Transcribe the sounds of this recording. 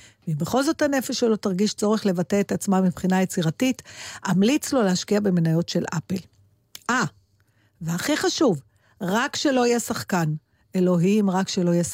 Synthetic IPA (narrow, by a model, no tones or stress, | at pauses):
veimbeχo̞lzo̞thane̞feʃːelo̞taʁɡiʃt͡so̞ʁeχle̞vate̞ːt̪at͡smamipχinajet͡siʁatitamlit͡slo̞lehaʃkiabe̞menajo̞tʃelʔa̰pel | ʔa | veaχiχaʃuv | ʁakʃe̞lo̞ajɛsaχkan | e̞lo̞ɦimʁakʃe̞lojɛs